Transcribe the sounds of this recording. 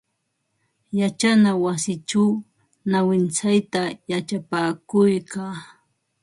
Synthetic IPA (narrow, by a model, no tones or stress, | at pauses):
jat͡ʃanawasɪt͡ʃaw | nawɪnt͡sajt̪ajat͡ʃapaːkʊjkaː